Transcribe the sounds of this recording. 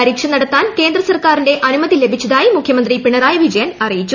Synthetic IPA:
ɐɾiːkʂɐnɐɽɐt̪ːaːnke̞ːnd̪rɐsɐrkaːrinde̞ʔɐnumɐðile̞bʱit͡ɕːɐðaːjimukʰjɐmɐnd̪ripiɳɐraːjɐʋid͡ʑɐjɐnɐrijit͡ɕːu

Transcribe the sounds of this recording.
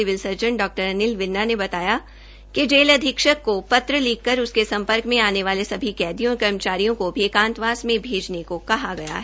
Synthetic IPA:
ɪʋɪlsɐɾd͡ʒə̃ɳɖɔːk̚ʈəɾɐnɪlʋɪnːanebɐt̪aːja | ked͡ʒeːlɐd̪ʱɪkʃəkːopɐt̪ɾəliːkːəɾʊskesɐ̃mpəɾkmẽaːneʋaːlesɐbʱikɛːd̪ijõɾkɐɾmət͡ʃaːɾijõkobʱikãːnt̪ʋaːsmẽbʱeːd͡ʒnekokɐɦaɡɐja̰ɦɛː

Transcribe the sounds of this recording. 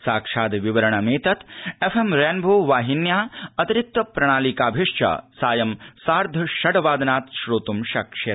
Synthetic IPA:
saːkʂaːd̪ʋiʋɐɾɐɳɐmeːt̪ɐt̪efʰemɾeːnbʱoːʋaːɦinjaːɐt̪iɾik̚t̪ɐpɾɐɽ̃aːlikaːbʱiʂt͡ʃɐ̰saːjɐmsaːɾd̪ʱɐʃɐɖɐʋaːd̪naːt̪ʃɾoːt̪umʃɐkʂet̪

